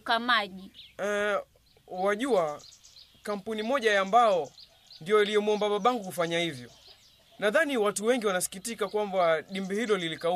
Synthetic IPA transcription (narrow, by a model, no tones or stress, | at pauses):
kamaʄiɛ | waʄua | kam̩punimɔʄajambaɔ | ndijɔjalijɔmɔmbaɓaɓaŋɡukufaɲahivjɔ | naðaniwatuwɛŋɡiwanasi̥kitikakwambaɗimbɛhilɔlilikau